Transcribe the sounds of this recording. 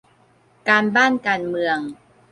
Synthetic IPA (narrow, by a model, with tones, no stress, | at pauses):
kaː˧nbaː˥˩nkaː˧nmɯ˧əŋ